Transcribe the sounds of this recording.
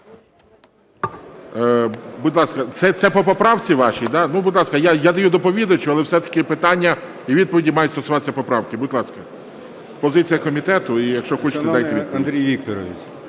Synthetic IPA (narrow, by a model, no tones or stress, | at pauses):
bʊd̪ʲlˠɑskɐt̪sɛt̪sɛpɔpɔpɾɑwt͡sʲiʋɑʃʲid̪ɑnubʊd̪ʲlˠɑskɐjajad̪ɐjud̪ɔpɔʋʲid̪ɐt͡ʃʊɐlˠɛwsɛt̪ɐ̥kɪpɪt̪ɑnʲːɐ | iʋʲid̪̚pɔʋʲidʲimɑjʊtʲst̪ɔsʊʋɑt̪esʲɐpɔpɾɑwkɪbʊd̪ʲlˠɑskɐ | pɔzɪt͡sʲijɐkɔmʲit̪ɛt̪ʊijɐkʃt͡ʃɔxɔt͡ʃɪ̥t̪ɛdɑjt̪ɪʋʲipɔnid̪ɾʲijʋʲikt̪ɔɾɔʋʲḭt͡sʲ